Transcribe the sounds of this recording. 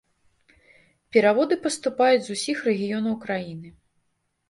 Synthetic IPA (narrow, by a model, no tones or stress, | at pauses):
pʲɛɾavɔd̪ɨpɐst̪upajud͡zʲzusʲixrɛɣʲijɔnɐwkɾajinɨ